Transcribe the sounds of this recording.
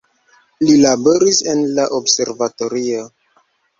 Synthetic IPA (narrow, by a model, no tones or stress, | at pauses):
lilabo̞ɾise̞nlaʔobse̞ɾvato̞ɾio